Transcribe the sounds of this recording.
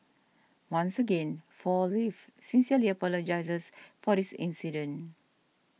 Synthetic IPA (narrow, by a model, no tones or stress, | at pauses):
wãnsəɡẽnfɔlifsĩnsiəliəpɔləd͡ʒaɪsəsfɔdisḭ̃nsidə̃n